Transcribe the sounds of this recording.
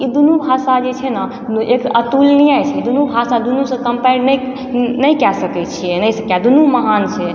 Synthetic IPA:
id̪unubʱasad͡ʒet͡ʃʰɛna | ekət̪ulniajt͡ʃʰɛd̪unubʱasad̪unusə̃kəmpɛnə | nəjkɛsəkɛt͡ʃʰijɛnəjsə̃kjad̪unuməɦant͡ʃʰɛ

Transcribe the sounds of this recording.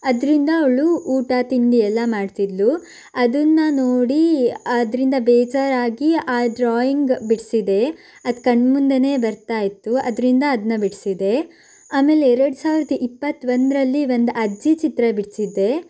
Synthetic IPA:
ɐd̪ɾind̪ɐːʋɐɭuʔuːʈaːt̪iɳɡiɛlːɐmaːɖt̪id̪lu | ɐd̪ɐnːɐnoːɽiɐd̪ɾind̪ɐbɛːd͡ʒaːɾaːɡiaːɖɾaːjiŋɡbiɽsid̪e̞ | ɐd̪kɐɳmund̪ene̞ːbɐɾt̪aːjit̪ːuɐ̰d̪ɾind̪ɐːd̪ɐnːɐbiɽsid̪e̞ | aːme̞ːleɛɾɐɽusaːʋiɾɐd̪ɐʔipːɐt̪ːʋɐnd̪ɾɐlːiʋo̞nd̪uʔɐd͡ʒit͡ʃit̪ɾɐbiɽsid̪ːe̞

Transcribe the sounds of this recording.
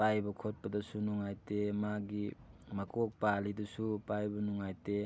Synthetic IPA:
pajbɐkʰot̚pɐdɐsunuŋajtemaɡimakok̚palidusupajbɐnuŋajte

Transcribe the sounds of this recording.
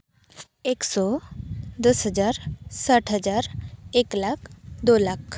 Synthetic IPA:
eksɔ | d̪əsɦəd͡zaɾsaʈʰɦəd͡zaɾeklakʰd̪olakʰ

